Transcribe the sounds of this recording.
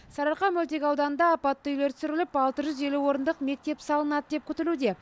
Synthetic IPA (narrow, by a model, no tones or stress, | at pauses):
sɑɾɑqɑmʉlt̪̬e̞kʲɑwd̪ɑnənd̪ɑːpɑt̪ːəijleɾt̪ʰʏ̥sʏɾɪlɪpɑlˠt̪əʒʏze̞luwo̞ɾənd̪əqme̞k̚t̪e̞psɑlˠənɑd̪əd̪e̞p̚kʲʰʏt̪ɪlud̪e̞